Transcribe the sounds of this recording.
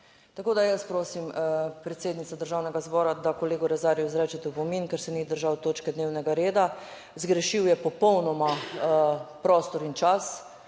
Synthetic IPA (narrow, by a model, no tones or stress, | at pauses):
t̪akoːd̪ajəspɾoːsimpɾɛt̪seːd̪nit̪sad̪əɾʒaːwnɛɡazbɔːɾad̪akɔleːɡuɾɛzaːɾjuzɾɛːt͡ʃɛt̪ɛpɔminkɛɾsɛnid̪əɾʒawt̪oːt͡ʃkɛd̪newnɛɡaɾeːd̪a | zɡɾɛʃiwjɛpɔpɔwnɔma | pɾɔːst̪ɔɾint͡ʃas